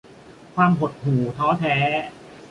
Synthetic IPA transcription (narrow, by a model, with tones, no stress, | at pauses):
kʰwaː˧mɦo˨˩t̪̚huː˨˩t̪ʰɔː˦˥t̪ʰɛː˦˥